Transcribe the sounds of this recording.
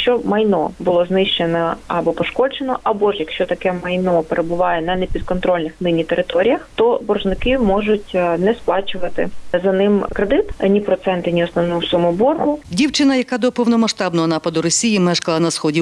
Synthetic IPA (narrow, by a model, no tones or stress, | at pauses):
ʃt͡ʃɔmɐjnɔbʊlˠɔznɪʃt͡ʃenɔɐbɔpɔʃkɔd͡ʒenɔ̰ʔɐbɔʒjɐkʃt͡ʃɔt̪ɐkɛmɐjnɔpeɾʔebʊʋɑjɛnɐnepʲid̪̚kɔnt̪ɾɔlʲnɪxnɪnʲit̪eɾɪt̪ɔɾʲijɐxt̪ɔbɔrʒnɪkɪmɔʒʊtʲnɛsplˠɑt͡ʃʊʋɐt̪ɪ̰zɐnɪmkɾed̪ɪt̪nʲipɾɔt̪sɛnt̪ɪnʲiɔsnɔʋnɔsʊmʊbɔrɦʊdʲiwt͡ʃɪnɐjɐkɑd̪ɔpɔwnɔmɐʃt̪ɑbnɔɦɔnɑpɐd̪ʊɾɔsʲijimɛʃkɐlˠɐnɐsxɔdʲi